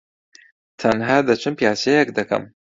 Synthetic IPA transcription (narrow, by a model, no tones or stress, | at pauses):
t̪ʰɐnɦaːd̪ɐt͡ʃʰɨnpjaːt͡ʃejek̚d̪ɐkɐ̰m